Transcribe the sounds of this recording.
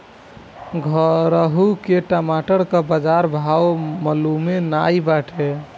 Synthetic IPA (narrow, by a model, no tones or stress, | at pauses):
ɡʱəɾəɦukeʈamaʈəɾkəbəd͡ʒaɾbʱawməlumenajbaʈʰe